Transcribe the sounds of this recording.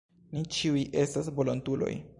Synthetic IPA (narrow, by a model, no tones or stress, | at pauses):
nit͡ʃiujʔe̞stas̬vo̞lontulo̰j